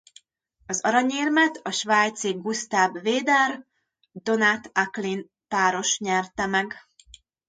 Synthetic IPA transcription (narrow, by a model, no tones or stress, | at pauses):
ɒzɒɾɒɲiːrmɛt̪ɒʃʋaːjt̪siɡust̪aːbveːd̪ɛr | d̪o̞nat̪aklin | paːɾo̞ʃɲɛrt̪ɛmɛɡ